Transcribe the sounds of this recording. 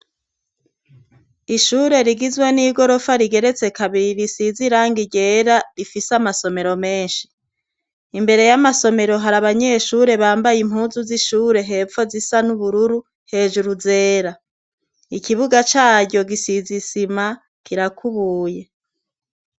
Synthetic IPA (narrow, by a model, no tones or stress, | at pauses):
iʃuɾe̞ɾiɡizweniːɡo̞ɾo̞faɾiɡe̞ɾe̞t͡se̞kaβiɾisiziɾaːŋɡiɟe̞ːɾaɾifisamaso̞me̞ɾo̞me̞ːnʃi̥ | imbe̞ɾe̞jamaso̞me̞ɾo̞ɦaɾaβaɲe̞ʃuɾe̞βaːmbajim̥huːzuziʃuːɾe̞ɦe̞ːpfo̞zisanuβuɾuɾu | he̞ːd͡ʒuɾuze̞ːɾa | ikiβuɡat͡ʃaːɟo̞ɡisizisima | kiɾakuβuːje̞